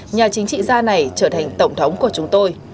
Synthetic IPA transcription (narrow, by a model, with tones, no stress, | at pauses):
ɲaː˨˩t͡ɕï˨˦ŋ̟t͡ɕḭ˧˨zaː˧na˨˩jt͡ɕəː˧˩t̪ʰa˨˩jŋ̟t̪ə˧˩wŋ͡mt̪ʰə˨˦wŋ͡mku˧˩ət͡ɕʊ˨˦ŋ͡mt̪o˧j